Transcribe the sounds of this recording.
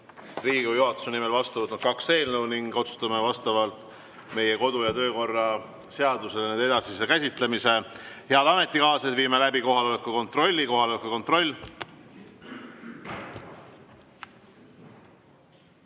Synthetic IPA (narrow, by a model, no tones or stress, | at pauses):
riːɡ̥ivjuɦɑt̪ːˑu̥senime̞lvɑst̪ɑvɑlt̪onkɑkse̞ːlnəwniŋɡot̪su̥st̪ɑme̞vɑst̪ɑvɑlt̪ˑ | me̞jeko̞d̪̥ujɑt̪ø̞ːko̞rːɑ | se̞ɑd̪use̞lnend̪e̞d̪ɑsisekæsʲit̪lemise̞he̞ɑd̪̥ɑme̞t̪ˑːikɑːsed̪viːme̞læbiko̞ɦɑlo̞lekːuko̞nt̪ro̞lʲːiko̞ɦɑlo̞lekuko̞nt̪ro̞lʲː